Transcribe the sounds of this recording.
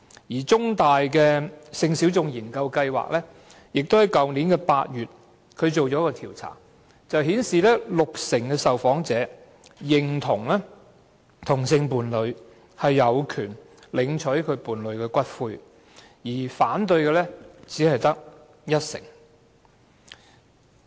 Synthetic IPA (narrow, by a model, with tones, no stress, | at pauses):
jiː˨˩t͡sʊ˥ŋt̪aː˨jkɛː˧sɪ˧ŋsiː˨˥wt͡sʊ˧ŋjiː˨˩nkɐ˧wkɐ˧jwa̰ː˨k̚lɛː˥ | jɪ˨k̚t̪o˥whɐ˨˥jkɐ˨wni˨˥nkɛː˧paː˧t̚jyː˨t̚ | kʰɵ˨˧ɥt͡ʃo˨wt͡ʃɔː˨˥kɔː˧t̪ʰiː˨˩wt͡sʰa̰ː˨˩ŋ | t͡sɐ˨wɦiː˨˥nsiː˨lɛː˥lʊ˨k̚sɪ˨˩ŋkɛː˧sɐ˨wfɔː˨˥ŋt͡sɛː˨˥ | jɪ˨ŋt̪ʰʊ˨˩ŋlɛː˥ | t̪ʰʊ˨˩ŋsɪ˧ŋpuː˨nlɵ˨˧ɥ | hɐ˨jːɐ˨˧wkʰyː˨˩n | lɪ˨˧ŋt͡ʃʰɵ˨˥kʰɵ˨˧ɥpuː˨nlɵ˨˧ɥkɛː˧kʷɐ˥t̚fuː˧j | jiː˨˩faː˨˥nt̪ɵ˧ɥkɛː˧lɛː˥t͡siː˨˥hɐ˨jt̪ɐ˥k̚ | jɐ˥t̚sɪ̰˨˩ŋ